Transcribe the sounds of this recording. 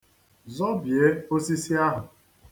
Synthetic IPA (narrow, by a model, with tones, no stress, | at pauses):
zɔ˦bje˦o˦si˦si˦a˦ɦʊ˨